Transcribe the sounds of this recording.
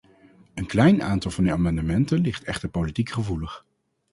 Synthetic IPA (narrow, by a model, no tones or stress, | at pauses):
ənklɛjna̰ːntɑlˠvɑndəaːmɑndəmɛntənlɪχtɛχtəɹpowlitikχəvuləχ